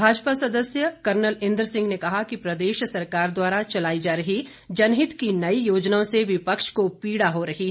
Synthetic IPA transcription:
bʱaːd͡ʒpasɐd̪əsjəkɐɾnəlɪ̃nd̪ɾəsɪ̃ŋɡnekɐɦakipɾɐd̪eːʃsɐɾkaːɾd̪waːɾat͡ʃɐlaːid͡ʒaːɾɐɦi | d͡ʒɐnɦɪt̪kinɐijoːd͡ʒnaõseʋɪpəkʃkopiːɽaɦoɾɐɦi

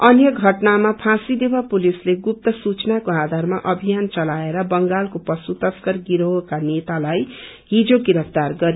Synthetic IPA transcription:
ʌnjʌɡʱʌʈnamapʰãsid̪ewapulisleɡup̚t̪ʌsut͡snakoad̪ʱarmaʔʌbʱijant͡sʌlaeɾʌbʌŋɡalkopʌsut̪ʌskʌrɡiɾoɦokanet̪alaj | ɦid͡zoɡiɾʌpʰt̪arɡʌɾ

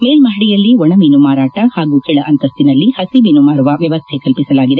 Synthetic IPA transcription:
meːlmɐɦiɽijɐlːiɔɳɐmiːnumaːɾaːʈɐhaːɡuːkɛːɭɐʔɐnt̪ɐst̪inɐlːihɐsimiːnumaːɾuʋɐʋjɐʋɐst̪ʰekɐlpisɐlaːɡid̪e

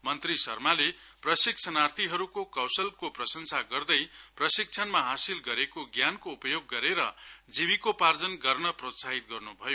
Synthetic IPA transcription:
mʌnt̪risʌ̰rmale | prʌsik̚t͡sʰʌnart̪ʰiɦʌɾukokʌwsʌlkoprʌsʌnsaɡʌrd̪ʌjprʌsik̚t͡sʰʌnmaɦasilɡʌɾekoɡjankoupʌjoɡːʌɾeɾʌ̰d͡zibikopard͡zʌnɡʌrnʌprosaɦit̪̚ɡʌrnubʱʌjo

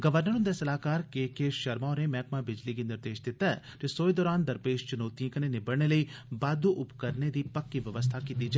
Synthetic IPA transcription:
ɡɐʋəɾnəɾũnd̪esɐlaːkaːɾkeːkeʃɐɾmaːnẽmɛːkmãbɪd͡ʒlik̬inɪɾd̪eːʃd̪ɪt̪aɛ̰ | d͡ʒesoːjd̪ɔːɾaːnd̪ɐɾpeːʃt͡ʃʊnoːt̪iãkɐnenɪbɐɽnelɐibaːd̪uʔʊpkɐɾned̪ipɐkːiʋjɐʋəst̪ʰakit̪iːd͡ʒ

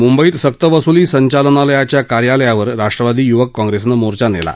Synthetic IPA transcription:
mumbəiːt̪sək̚t̪əʋəsuliːsəɲt͡ɕalənaləjat͡ɕjakaɾjaləjaʋəɾɾaʂʈɾəʋad̪iːjuʋəkːɔ̃ŋɡɾesnəmoɾt͡ɕanḛla̰

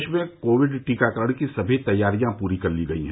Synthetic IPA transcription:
t͡ʃʰmẽkoːʋɪɖʈiːkakɐɾəɽ̃kisɐbʱit̪ɐjːaːɾijãpuːɾikɐɾliɡɐḭɦɛ̃

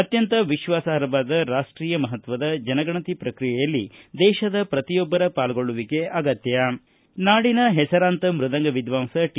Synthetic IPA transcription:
ɐt̪jɐnt̪ɐʋiʃʋaːsaɐɾɐbaːd̪ɐɾaːʂʈɾiːjɐmɐɦɐt̪ʋɐd̪ɐd͡ʒɐnɐɡɐɳɐt̪ipɾɐkɾijɛjɐlːid̪ɛːʃɐd̪ɐpɾɐt̪ijɔbːɐɾɐpaːlɐɡoɭuʋike̞ʔɐɡɐt̪jɐ | naːɽinɐɦɛsɐɾaːnt̪ɐmɾud̪ɐŋɡɐʋid̪ʋaːmsɐʈ

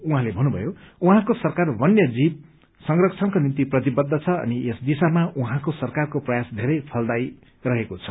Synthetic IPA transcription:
uɦãlebʱʌnːubʱʌ̰jouɦãkosʌrkarbʱʌnjʌd͡zib̚ | sʌŋrʌkt͡sʰʌŋkonint̪iprʌt̪ibʌd̪ʱːʌt͡sʰʌʌ̰niesd̪isamaʔuɦãkosʌrkarkoprʌjasd̪ʱeɾʌjpʰʌld̪aj | rʌɦekot͡sʰʌ̥

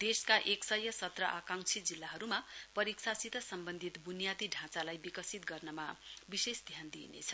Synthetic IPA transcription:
d̪̥eskaʔeksʌjʌsʌt̪rʌʔakaŋt͡sʰid͡zilːaɦʌɾumapʌɾiksasit̪ʌsʌmbʌnd̪ʱit̪bunijat̪iɖʱãt͡salajbikʌsit̪̚ɡʌrnʌmabisesd̪ʱjand̪ḭnḛt͡sʰʌ̥

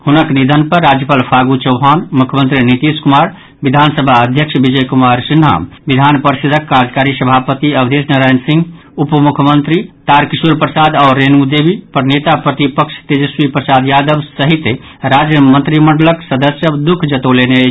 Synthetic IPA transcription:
hunəknid̪ʱənpəɾːad͡ʒjəpalpʰaɡut͡ʃəwɦanmukʰjəmənt̪ɾinit̪iskumaɾ | bid̪ʱansəbʱaəd̪ʱjəkʃʰbid͡ʒəjkumaɾsinɦa̰mbid̪ʱanpəɾsid̪ʱəkːad͡ʒkaɾisəbʱapət̪iəbd̪esnəɾajnsĩŋɡ | upmukʰmənt̪ɾit̪aɾkisuɾpɾəsad̪aʊɾːenud̪ebʱipəɾnet̪apɾət̪ipəkʃʰt̪ed͡ʒəswipɾəsad̪jad̪əbsəɦit̪e | ɾad͡ʒjəmənt̪ɾiməɳɖələksəd̪əsjəd̪ukʰd͡ʒət̪olene

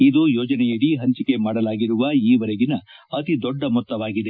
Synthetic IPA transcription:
id̪ujoːd͡ʒɐnɛjɐɽiɦɐɲt͡ʃike̞maːɽɐlaːɡiɾuʋɐiːʋɐɾeɡinɐɐt̪id̪ɔɖːɐmɔt̪ːɐʋaːɡid̪e

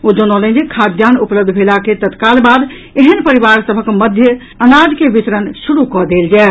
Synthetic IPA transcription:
od͡ʒonɔlə̃nd͡ʒekʰad̪ʱjanupləb̚d̪ʱbʱelaket̪ət̪kalbad̪ | eɦənpəɾibaɾsəbʱəkməd̪ʱjə | ənad͡ʒkebit̪ɾənsuɾukɔd̪eld͡ʒae

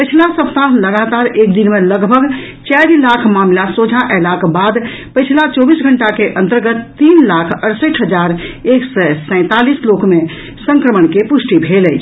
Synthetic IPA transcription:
pəɪt͡ʃʰlasəpt̪aləɡat̪aɾek̚d̪inmeləɡbʱəɡ | t͡ʃɛɾilakʰmamlasod͡ʒʱaʔɛlakbad̪pəɪt͡ʃʰlat͡ʃɔbisɡʱəɳʈakeʔənt̪əɾɡət̪ːiːnlakʰəɾsəʈɦəd͡ʒaɾeːksɛsɛ̃ɪ̃t̪alislokmẽ | sə̃ŋkɾəməɳkepusʈibʱelɛt͡ʃʰ

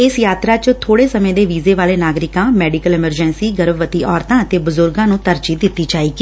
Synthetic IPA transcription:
ɪsjaːt̪ɾaːt͡ʃt̪ʰoːɽeːsəmẽːd̪eːʋiːzeːʋaːleːnaːɡɾɪkãːmɛːɖɪkəlɪməɾd͡ʒɛːnsiːɡəɾbʋət̪iːʔɔːɾt̪ãːət̪eːbʊzʊɾɡãːnũːt̪əɾd͡ʒiːd̪ɪt̪ːiːt͡ʃaːiːɡi

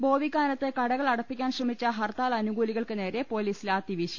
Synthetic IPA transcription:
bo̞ːʋikːaːnɐt̪ːɨkɐɽɐɣɐɭɐɽɐpːikʲːaːnɕrɐmit͡ɕːɐɦɐrt̪aːlɐnuɡuːliɣɐɭkɨne̞ːɾe̞po̞ːliːsilaːt̪ːiʋiːɕi

